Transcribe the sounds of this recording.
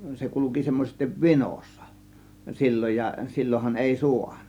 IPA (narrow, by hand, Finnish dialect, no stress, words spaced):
se kuluki semːosestiʋ ʋinoˑsːɑ̥ silʲːoj jɑ silʲːohɑn eˑi suɑn̥ɑ̥